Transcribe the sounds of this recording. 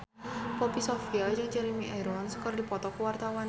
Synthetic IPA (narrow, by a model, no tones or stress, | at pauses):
pɔpisɔfiad͡ʒɨŋt͡ʃəɾimiʔɛɾɔansə̥kərdipɔt̪ɔkuwart̪awan